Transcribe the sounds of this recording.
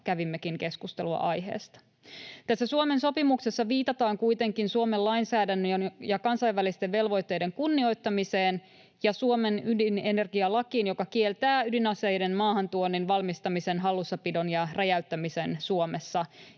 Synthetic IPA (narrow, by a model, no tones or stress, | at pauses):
kæʋimːekiŋke̞skust̪eluɑ̰ʔɑjɦe̞̰ːst̪ɑ̥ | t̪æsːæsuome̞nso̞pimukse̞sːɑʋiːt̪ɑt̪ɑːŋkujt̪e̞ŋkinsuome̞llɑjnsæːdænːøjonjɑkɑnsɑjʋːælist̪eʋʋe̞lʋo̞jt̪ːe̞jde̞ŋkunːio̞jt̪ːɑmise̞ːn | jɑsuome̞nydine̞ne̞rɡiɑlɑkiːnjo̞kɑkielt̪æːydinɑsejde̞nmɑːɦɑnt̪uonːinʋɑlmist̪ɑmise̞nɦɑlːusːɑpido̞njɑrɑjæyt̪ːæmise̞nsuome̞sːɑ